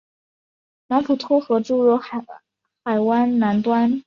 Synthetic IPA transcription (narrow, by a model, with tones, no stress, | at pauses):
na˧˥npʰu˨˩t̪ʰɔ˥xɤ˧˥ʈ͡ʂu˥˩ɻɔ˧˥ | xa˨˩ɪwa˥nna˧˥nt̪wa˥n